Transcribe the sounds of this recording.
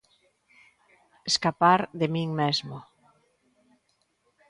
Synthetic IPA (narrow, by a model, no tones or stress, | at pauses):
eskapaɾðemĩŋmezmo